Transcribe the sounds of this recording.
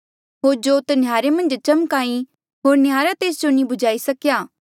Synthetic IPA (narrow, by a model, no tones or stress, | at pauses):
ɦoːɾd͡ʒot̪njaːɾemɐ̃nd͡ʒt͡ʃɐmkaːĩ | ɦoːɾnɪjaːɾat̪eːsd͡ʒonibʊd͡ʒaːisɐkjaː